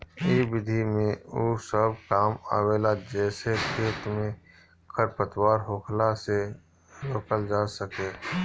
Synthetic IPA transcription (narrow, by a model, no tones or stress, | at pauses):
ebɪd̪ʱimẽoːsəb̚kaːma̰ːweːlad͡ʒɛːsekʰeːt̪mẽ | kʰəɾpət̪waːɾɦoːkʰlase | ɾoːkəld͡ʒaːsəkeː